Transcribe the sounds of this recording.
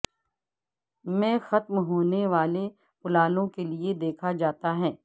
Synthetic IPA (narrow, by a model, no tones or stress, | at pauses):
mɛ̃ːxɐt̪mɦoːneʋaːle | pʊlaːlõkelied̪eːkʰad͡ʒaːt̪aɦɛː